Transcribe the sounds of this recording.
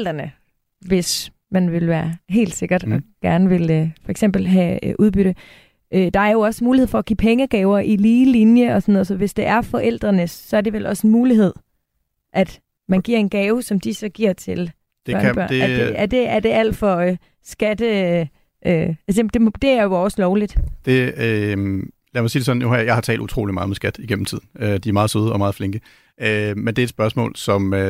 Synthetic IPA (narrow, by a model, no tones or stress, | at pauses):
l̰d̥ʁɐnə | ʋe̝s | mænʋe̝lʋæːɐɦe̝̰ːld̥se̝ɡ̥ɐd̥ɒ̽ɡ̥æɐnəʋe̝lfɒ̽eɡ̥sem̰b̥l̩ɦæʔuð̞ˠb̥yɾ̥ə | ʔød̥ɑ̈æɐjo̝ɒ̽smuːlihḛfɒ̽ːɡ̥ḭːpʰeŋəɡ̥ɛːʊɐʔiliːlinjəɒ̽sɔ̽noðˠsɒ̽ʋe̝sd̥e̝ʔæɐfɒ̽ʔel̰d̥ʁɐnəsːɒ̽æɐd̥e̝ʋelʔɒ̽senmuːliɦe̝ð̞̰ˠ | ʔæd̥ | mænɡ̥iɐ̰e̝nɡ̥ɛːʊsɒ̽md̥isɒ̽ɡ̥iɐ̰t͡sʰe̝l | d̥e̥ɐd̥d̥eæd̥e̝æɐd̥e̝ʔæl̰d̥fɒ̽ | sɡ̥æd̥ə | ʔøæsed̥e̝md̥e̝æɐjoɒslɒʊlid̥d̥e̝ø | læmɑ̈siːdesɒ̽n̩johɑɐjɑ̈ɪhɑ̈t͡sʰɛ̰ːld̥ut͡sʰʁo̝̰ːlimɑ̈ːð̩ˠmesɡ̥æd̥iɡ̥em̰m̩t͡sʰið̰ˠn̩ød̥iæɐmɑ̈ːð̩ˠsøːð̞ˠɒ̽mɑ̈ːð̞̩ˠfle̝ŋɡ̥ə | ʔømend̥e̝ɐed̥sb̥ɶɐsmɔ̰̽ːlsɒ̽mø